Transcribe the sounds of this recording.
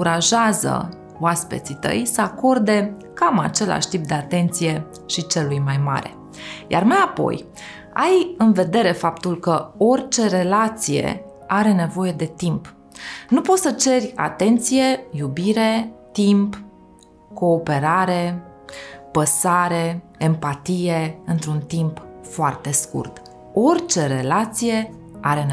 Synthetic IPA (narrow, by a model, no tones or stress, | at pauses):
kuɾaʒeazə̰ | oaspe̞̰t̪sit̪ə̰jsəako̞rd̪e̞ | kama̰t͡ʃe̞la̰ʃt̪ip̚d̪e̞at̪e̞nt̪sije̞ | ʃit͡ʃe̞lujmajma̰ɾe̞̰ | ja̰rmajapo̞̰j | ajɨnve̞d̪e̞ɾe̞fapt̪ulkəo̞rʲt͡ʃe̞ɾe̞lat̪sije̞̰ | aɾe̞ne̞vo̞je̞d̪e̞t̪imp | nupo̞t̪sət͡ʃe̞rʲa̰t̪e̞nt̪sije̞jubiɾe̞t̪imp | ko̞ːpe̞ɾaɾe̞ | pəsaɾe̞empat̪ijeɨnt̪ɾunt̪impfoart̪e̞skṵrt̪ | o̞rt͡ʃe̞ɾe̞lat̪sije̞ | aɾe̞n